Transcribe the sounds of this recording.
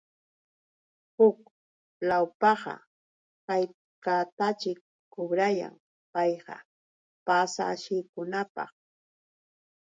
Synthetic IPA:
hʊk | lawpɑɢɑ̰ | kaj | kat̪at͡ʃɪkː | ʊbɾaja̰ŋ | pɑjɢɑ̰ | pasa̰ːʃɪjkʊnapɑ̰χ

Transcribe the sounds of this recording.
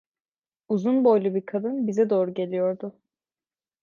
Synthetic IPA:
uzunbo̞jlʲˠubiɾkʰad̪ɯnbizɛd̪o̞ːɾuɟe̞lʲijo̞ɾd̪ʊ

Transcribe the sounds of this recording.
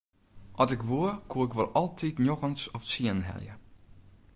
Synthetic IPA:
ʔɔsɪkʋuərkʰuəɪkʋolˠɔlˠtʰitnjoxənsɔpsiənənɦɛ̰ljə̰

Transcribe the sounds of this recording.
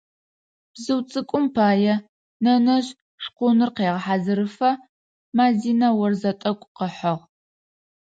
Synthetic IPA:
b̥zɨwt͡sʼɨkʷʼʊmpʰaːjɛ | nɐnɐʑ | ʂqʷʊnɨrqeːʁɐħaːzɨɾɨfɐ | maːziːnɐwɐrzɐtʼɐkʷʼqəħɐʁ

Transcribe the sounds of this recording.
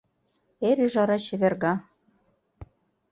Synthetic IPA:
eɾyʒɑɾɑɕɘ̆βerɣɑ

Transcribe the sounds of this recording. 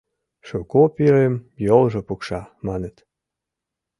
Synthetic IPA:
ʃukopiɾemjolʒɤ̆pukʃɑmɑnet̪

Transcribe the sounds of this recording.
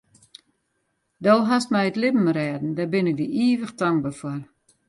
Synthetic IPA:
dɔlˠɦastmɛjətlɪbm̩ɾɛːdn̩dabɪnɪk̚diʔiːʋəxtaŋ̚bafɔr

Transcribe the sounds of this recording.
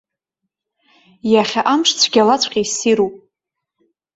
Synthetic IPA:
jaχʲaʔamʂt͡sʷʰɡʲalat͡sʷʰqʲʼejsiɾupʼ

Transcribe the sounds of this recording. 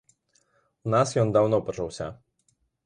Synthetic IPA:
unɑsjɔnd̪awnɔpɔt͡ʃɔwsʲɐ̰

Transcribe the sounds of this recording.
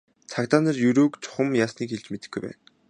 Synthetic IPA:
t͡sʰakt̪aːnə̆rjɵɾoːkt͡sʰʊ̥χə̆mjaːsniːkxeɮt͡ɕ̆met̪ɘ̆xɡujpæ̰ːn

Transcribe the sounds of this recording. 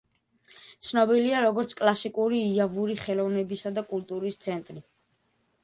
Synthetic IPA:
t̪sʰnɔbiliaɾɔɡɔɾt̪sʰkʼlˠasikʼuɾiːavuɾiχɛlˠɔvnɛbisad̪akʼult̪ʼuɾist̪sʰɛnt̪ʼɾi

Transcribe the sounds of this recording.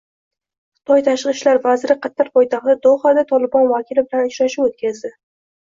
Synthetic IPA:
χɨ̥t̪ʰɒjt̪ʰaʃɾɨʃlaɾvazɾɪqʰɑt̪ʰːaɾpʰɒjt̪ʰaχt̪ad̪oχad̪at̪ʰɒlɪbɒnvakʲʰɪlɪbɪlanʊt͡ʃɾaʃɪpot̪̚kʲazd̪ɪ

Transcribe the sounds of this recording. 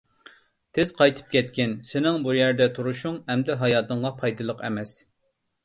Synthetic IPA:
t̪ʰɪz̥qʰɑjt̪ʰɨ̥p̚kʲʰɛt̪̚kʲɪnsɪnɪŋbujɛɾd̪ɛt̪ʰuɾuʃuŋhɛmd̪ɛɦɑjɑːt̪ɨŋʁɑpʰɑjd̪ɨlˠəqɛ̰mɛs

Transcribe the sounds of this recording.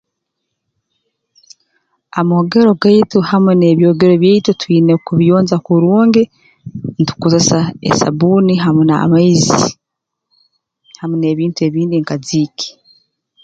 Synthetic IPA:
amooɡeɾo̞ɡaituhamune̞ːβjoːɡeɾoβjeitutwiːnekuβijoːnzakuɾuːŋɡe | ntu̥kuzasaḛsa̰buniɦamuna̰maizi | hamune̞ːβiːntue̞ːβiːndiŋkaziːke̥

